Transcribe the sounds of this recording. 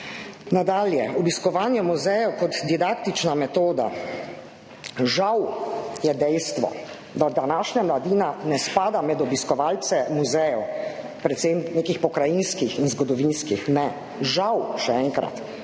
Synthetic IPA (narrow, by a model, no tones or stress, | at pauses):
nad̪aːljɛɔbiskɔʋaːnjɛmuzɛjɛwkɔt̪d̪id̪akt̪it͡ʃnamɛt̪oːd̪a̰ | ʒawjɛd̪ɛjst̪ʋɔ̰ | d̪ad̪anaːʃɲamlad̪iːnanɛspaːd̪amɛd̪ɔbiskɔʋaːlt̪sɛmuzɛjɛw | pɾɛt̪semneːkixpɔkɾajinskixinzɡɔd̪ɔʋinskixnɛ | ʒawʃɛɛŋkɾa̰t̪